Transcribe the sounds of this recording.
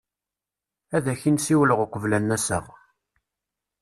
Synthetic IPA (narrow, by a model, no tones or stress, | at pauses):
æðæçinsiwləʁʊqʷəvlænːæsə̰ʁ